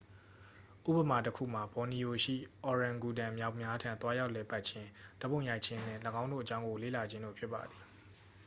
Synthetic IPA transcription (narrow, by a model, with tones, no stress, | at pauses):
ʔṵ˦˨bə˨ma˨təkʰṵ˦˨ma˨bɔ˨ni˨ʔo˨ʃḭ˦˨ʔɔ˨ɹã˨ŋɡu˨dã˨mja˦ʊʔmja˦tʰã˨nt̪wa˦ja˦ʊʔlɛ˨pa˦ʔt͡ɕʰɪ̃˦d̥ə˦bõ˦˨ʊ̃ja˦ɪʔt͡ɕʰɪ̃˦n̥ɪ̰̃˦˨lə˨ɡã˦ʊ̃ndo̰˦˨ʔət͡ɕã˦ʊ̃ŋɡo˨lḛ˦˨la˨d͡ʑʰɪ̃˦ndo̰˦˨pʰjɪ˦pːa̰˨d̪ði̥˨